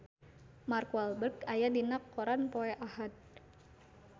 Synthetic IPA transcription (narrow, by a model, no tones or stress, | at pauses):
markualbərkajadinakːoɾanpoɛʔahat̪̚